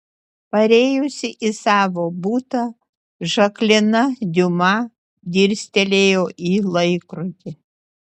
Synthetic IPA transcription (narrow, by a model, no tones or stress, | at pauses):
pɐɾʲeːjʊsʲɪʔisɑːʋoːbuːt̪ɐ | ʒɐklʲɪnɐd̪ʲʊmɐ | d̪ʲiːɾʲsʲt̪ʲɛlʲeːjoːʔiːlˠɐɪkɾʊt̪ʲɪ